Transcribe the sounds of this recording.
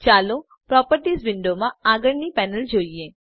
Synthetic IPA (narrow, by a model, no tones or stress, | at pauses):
t͡ʃaːlo | pɾɔːpəɾʈiːzʋɪ̃ɳɖomãaːɡəɾnipɛːnəld͡ʒoːieː